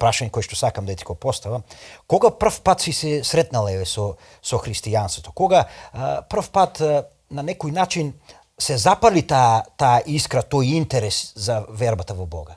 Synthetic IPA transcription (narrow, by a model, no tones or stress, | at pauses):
pɾaʃaɲɛkoɛʃt̪ɔsakamd̪aɛt̪i̥kopɔst̪avamkɔɡapr̩fpat̪sisɛsɾɛt̪nalˠɛbɛsɔ | sɔxɾist̪ianst̪vot̪ɔkɔɡapr̩fpat̪ | nanɛkojnat͡ʃin | sɛzapalit̪at̪aːʔiskɾat̪ojint̪ɛɾɛszavɛɾbat̪avɔbɔ̰ɡa